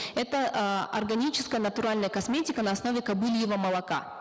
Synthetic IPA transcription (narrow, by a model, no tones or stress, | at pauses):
ɛt̪əɐ̰rɡɐnʲit͡ɕɪ̥skəjənət̪ʊɾalʲnəjəkɐsmʲetʲɪkənɐːsno̞vʲɪkɐbɨlʲjɪvəməlˠɐka̰